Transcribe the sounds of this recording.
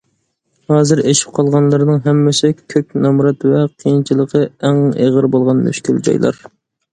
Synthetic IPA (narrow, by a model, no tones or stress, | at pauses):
hɑːzɨɾeʃi̥p̚qʰɑlˠʁɑnlˠɨɾɨnɨŋɦɛmːɪsɪkʲʰøkʲnɑmɾɑt̪vɛqʰijint͡ʃʰilˠəqʰəæŋḛʁəɾbolˠʁɑnmy̰ʃkʲyld͡ʒɑ̰jlˠɑ̰ɾ